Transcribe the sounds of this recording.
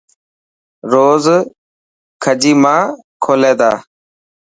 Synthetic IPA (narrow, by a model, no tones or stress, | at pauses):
ɾoːz | kʰəd͡ʒiːmãː | kʰoːleːd̪a̰ː